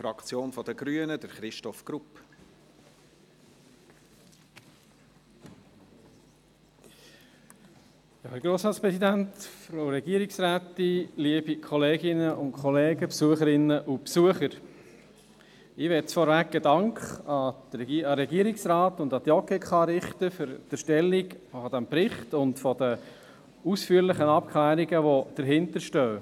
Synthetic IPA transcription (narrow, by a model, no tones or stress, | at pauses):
fɾɑkt͡sjoːnfɔd̥əɡɾyənədəɾχɾɪʃtɔfɡ̥ɾup | jɑːhɛɾɡ̥ɾoːsɾɑːtspɾɛsidæntfɾoʊɾɛɡ̥iːəɾɪksɾæːtiliəb̥ikʰɔleːɡɪnəʔʊntkʰχɔleːɡ̥əpsuəχəɾɪnːəʔupsuəχəɾ | ɪʋɛtt͡sfɔɾvæk̚ɡ̥ədɑŋkχɑdɛɑɾɛɡiəɾiksɾɑːtʊndɑd̪jɔkɛkχɑɾɪχtəfɨɾd̥əʃtɛlːiɡfɔd̥æmpɾɪχtʊntfɔd̥̪ə | usfyːəɾlɪχənɑp̚kʰlæːɾiɡəʋod̥əɾɦɪntəʃtœː